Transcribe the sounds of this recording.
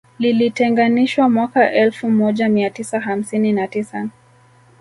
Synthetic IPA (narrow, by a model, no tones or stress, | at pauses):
lilitɛŋɡaniʃwamwakaʔɛlfumɔʄamiatisaɦam̩sininatisa